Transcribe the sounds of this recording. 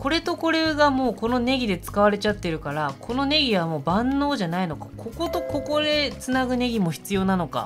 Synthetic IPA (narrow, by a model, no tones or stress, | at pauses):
ko̞ɾe̞t̪o̞ko̞ɾe̞ɡamo̞ːko̞no̞ne̞ɡʲid̪e̞t͡sɨ̥kaβaɾe̞t͡ɕat̪ːe̞ɾɯ̟kaɾakʰo̞no̞ne̞ɡʲiβamo̞ːbãnːo̞ːʑanaino̞kḁkʰo̞ko̞t̪o̞ko̞ko̞d̪e̞t͡sɨnaɡɯ̟ne̞ɡʲimo̞çi̥t͡sɨjo̞ːnano̞ka̰